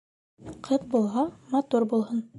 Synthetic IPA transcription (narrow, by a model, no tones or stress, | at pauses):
qʰɤtbulˠɦɑmɑt̪uɾbulˠɦɤn